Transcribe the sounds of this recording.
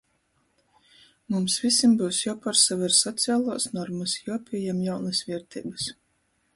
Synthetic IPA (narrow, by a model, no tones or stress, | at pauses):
mumsvʲisʲimbuwsjawpaɾsavɛɾsɔt̪siaːlˠuɔsnɔɾmusjupʲiɛjamjawnɨsvʲiɛɾt̪ʲḭːbɨs